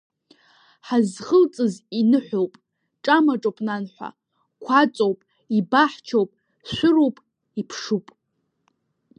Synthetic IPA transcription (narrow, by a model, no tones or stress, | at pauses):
ħazχəlt͡sʼɨzinɨħʷowpʼ | ʈ͡ʂʼamaʈ͡ʂʼowpʼnanħʷa̰ | kʷʰat͡sʼowpʼ | ibaħt͡ʃʰowpʼ | ʃʷʊrowpʼ | ipʰʂupʼ